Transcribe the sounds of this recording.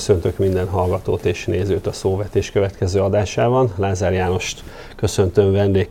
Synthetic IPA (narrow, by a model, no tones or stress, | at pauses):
sønt̪økmind̪ɛnɦɒlɡɒt̪oːt̪eːʃneːzøːt̪ɒsoːvɛt̪eːʃkø̞vɛt̪kɛzøːɒd̪aːʃaːbɒnlaːzaːrjaːno̞ʃt̪ | kø̞sø̞nt̪ø̞mvɛnd̪eːk